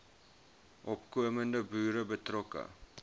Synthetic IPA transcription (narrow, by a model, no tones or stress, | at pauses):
ʔɔpkuəməndəbyːɾəbətrɔkə̰